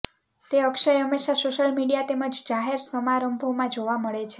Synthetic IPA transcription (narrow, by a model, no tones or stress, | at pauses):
t̪eəkʃəjəmːeʃasoʃəlmiɽijat̪eməd͡ʒd͡ʒaɦeɾsəmaɾəmbʱoʋmãd͡ʒoʋaməɭet͡ʃʰe